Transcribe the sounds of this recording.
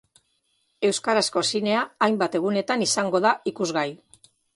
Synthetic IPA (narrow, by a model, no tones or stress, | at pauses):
e̞wskaɾasko̞sine̞aːjmbat̪e̞ɣ̞une̞t̪anisaŋɡo̞ðaikuzɣaj